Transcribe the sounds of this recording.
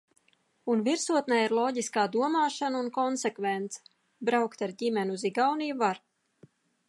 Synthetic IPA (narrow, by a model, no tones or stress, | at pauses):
unviɾsuɔt̪najiɾlˠɔːɟiskaːd̪uɔmaːʃanunkɔnsekvent̪sɛ̥ | bɾawkt̪aɾɟimʲɛnziɡawniːvaɾ